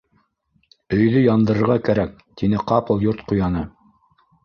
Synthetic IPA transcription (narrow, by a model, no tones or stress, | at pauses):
ɵ̆jðɵjɑnd̪ɤ̆ɾɤ̆ɾʁɑkæɾæk̚ | t̪ʰinɘqɑpɤlˠjuɾt̪qŭjɑnɤ